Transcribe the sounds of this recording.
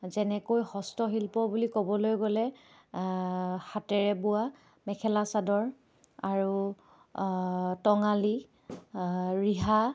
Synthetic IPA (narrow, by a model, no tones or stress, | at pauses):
zɛnɛkojhɔstɔɦilpɔbulikobɔlojɡɔlɛ | xatɛɹɛbʊa | mɛkʰɛlasadɔɹ | aɹu | tɔŋali | ɹiɦa